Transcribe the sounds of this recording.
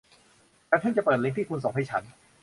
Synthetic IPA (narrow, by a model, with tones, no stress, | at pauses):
t̪aː˨˩t̪ʰa˥˩nt͡ɕa˨˩pɤː˨˩t̪̚le˦˥ŋt̪ʰiː˥˩kʰu˧nso˨˩˦ha˧jt͡ɕʰa˦˥n